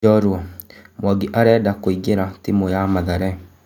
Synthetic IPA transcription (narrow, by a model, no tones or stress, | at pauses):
ɔɾwɔmwaɡiʔaɾɛːdakoiɡeɾatimojamaðaɾɛ